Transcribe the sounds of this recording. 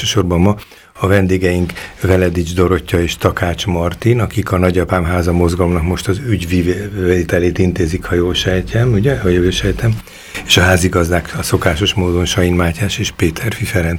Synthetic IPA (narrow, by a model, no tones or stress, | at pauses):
ʃøːʃo̞rbɒmmɒ | ɒvɛnd̪eːɡɛjiŋkvɛlɛd̪id͡ʒd̪o̞ɾo̞cːɒeːʃt̪ɒkaːt͡ʃmɒrt̪inɒkikɒnɒɟɒpaːmɦaːzɒmo̞zɡɒlo̞mnɒkmo̞ʃt̪ɒzyɟviveːt̪ɛleːt̪int̪eːzikhɒjoːlʃɛjcʰɛmuɟɛhɒjoʃɛjt̪ɛm | eːʃɒɦaːziɡɒzd̪aːkɒso̞kaːʃo̞ʃmoːd̪o̞nʃɒjinmaːcaːʃeːʃpeːt̪ʰɛrfifɛɾɛn